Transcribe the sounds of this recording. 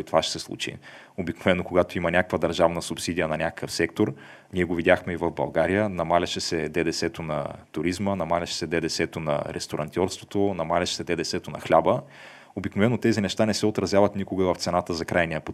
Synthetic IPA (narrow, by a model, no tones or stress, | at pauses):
t̪ovaʃɛ̥sɛslˠṵt͡ʃḭ | obiknovɛnːokoɡat̪oimɐnʲakə̥kvəd̪ɐɾʒavnəsupsid̪ijənɐnʲakə̥kəfsɛk̚t̪oɾ | nʲiɛɡovid̪ʲaxmɛivɐvbɐ̰lˠɡaɾijənɐmalʲɐʃɛsɛd̪ɛd̪ɛsɛt̪onɐ̰t̪ʊɾizmənɐmalʲɐʃɛ̥sɛd̪ɛd̪ɛsɛt̪onɐ̰ɾʔɛ̰st̪oɾɐ̰nt̪ʲiɔɾst̪vo̥t̪onɐmalʲɐʃɛ̥sɛd̪ɛd̪ɛsɛt̪onɐ̰xlʲabə | obiknovɛnːot̪ɛzinɛʃt̪anɛsɛot̪ɾɐzjavɐt̪nikoɡəvɐft̪sɛnat̪əzɐkɾajnijəpo